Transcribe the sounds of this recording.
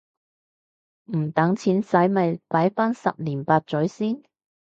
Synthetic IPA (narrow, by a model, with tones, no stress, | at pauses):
m̩˨˩t̪ɐ˨˥ŋt͡sʰiː˨˥nsɐ˨˥jmɐ˨jpaː˨˥jfaː˥nsɐ̰˨p̚liː˨˩npaː˧t̚t͡sɵ˨˥ɥsiː˥n